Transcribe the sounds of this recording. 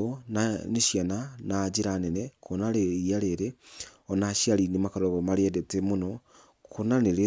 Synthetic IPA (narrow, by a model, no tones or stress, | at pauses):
onaneʃjananad͡ʒeɾanɛnɛkʰonaɾeiaɾeɾeɔnaʃiaɾinemakaɾɔβɔmaɾeɛdɛtemonɔ | konaneɾe